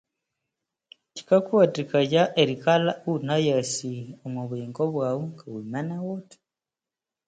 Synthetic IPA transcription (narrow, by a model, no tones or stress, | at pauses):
ci̥kakwatikaɟaʔeɾikalaunajasiomuβiːŋɡoβwaːwuŋkawumanawoti̥